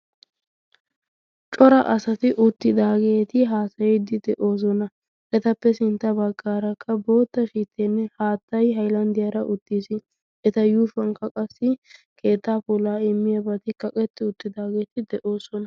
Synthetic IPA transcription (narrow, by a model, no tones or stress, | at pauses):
t͡ʃʼɔɾɐʔɐsɐt̪ɪʔʊt̪ːɪd̪aːɡe̞ːt̪ɪɦaːsɐjjd̪ɪd̪ɛʔo̞ːs̬ɔnɐ | ʔɛt̪ɐpːɛsɪnt̪ːɐbɐɡːaːɾɐkʰːɐbo̞ːt̪ːɐʃiːt̪ːeːnːɛhaːt̪ːɐjɦɐjlɐnd̪ɪjɐɾɐʔʊt̪ːiːsɪ | ɛt̪ɐjuːfɐŋkːɐkʼɐsːɪ | kʰe̞ːt̪ːaːpʊlaːɪmːɪjɐbɐt̪ɪkɐkʼɛt̪ːɪʊt̪ːɪd̪aːɡe̞ːt̪ɪd̪ɛʔo̞ːsɔnɐ